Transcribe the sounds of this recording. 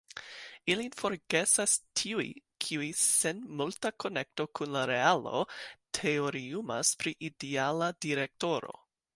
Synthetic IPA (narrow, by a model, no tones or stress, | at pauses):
ilinfo̞ɾɡe̞sastʰiujḭkʰiujse̞nmultako̞ne̞k̚to̞kʰunlaɾe̞alo̞̰tʰe̞oɾiumaspɾiʔidialadiɾe̞k̚to̞ɾo̞̰